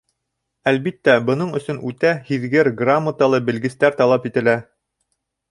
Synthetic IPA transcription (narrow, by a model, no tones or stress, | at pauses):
ælbit̪ːæbɤ̆nɤɴɵ̆sɵnʉt̪æhiðɡɘɾɡramːət̪alˠɤbɘ̆lɡɘ̆st̪æɾt̪ɑlˠɑpit̪ɘ̆læ